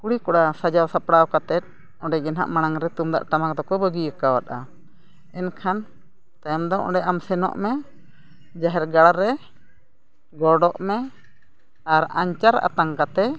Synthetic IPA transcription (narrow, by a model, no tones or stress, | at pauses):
kuɽikɔɽasad͡ʒawsapɽawkat̪ɛt̪̚ | ɔɖɛɡɛnɦa̰ʔmanaŋɾɛt̪umd̪a̰ʔʈamakd̪ɔkɔbəɡiəkawat̪̚a̰ | ɛnkʰan | t̪ajɔmd̪ɔʔɔ̰ɖɛʔamsɛnɔ̰ʔmɛ | d͡ʒaɦɛɾɡaɽaɾɛ | ɡɔɖɔʔmɛ | aɾaɲt͡ʃaɾa̰t̪aŋkat̪ɛ